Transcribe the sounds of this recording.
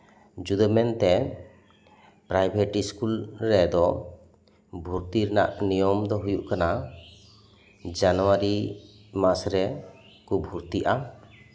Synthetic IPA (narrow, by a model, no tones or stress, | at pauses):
d͡ʒud̪ɔmɛnt̪ɛ | pɾajbʱeʈiskulɾɛd̪ɔ | bʱuɾt̪iɾɛna̰ʔnijɔmd̪ɔɦujuʔkana | d͡ʒanɔwaɾi | masɾɛ | kubʱuɾt̪iʔa